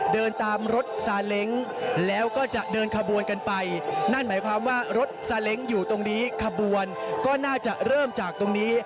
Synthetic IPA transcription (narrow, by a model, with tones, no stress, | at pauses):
dɤː˧nt̪aː˧mɾo˦˥t̪̚saː˧le˦˥ŋlɛː˦˥wkɔː˥˩t͡ɕa˨˩ʔdɤː˧nkʰa˧bu˧ənka˧npa˧jna˥˩nmaː˩˦jkʰwaː˧mwaː˥˩ɾo˦˥t̪̚saː˧le˦˥ŋjuː˨˩t̪o˧ŋniː˦˥kʰa˧bu˧ənkɔː˥˩naː˥˩t͡ɕa˨˩ɾɤː˥˩mt͡ɕaː˨˩k̚t̪o˧ŋniː˦˥